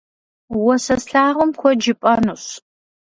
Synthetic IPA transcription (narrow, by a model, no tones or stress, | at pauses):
wɔsɐsɬaːʁʊmkʷʰɔd͡ʒɪpʼɐnuɕ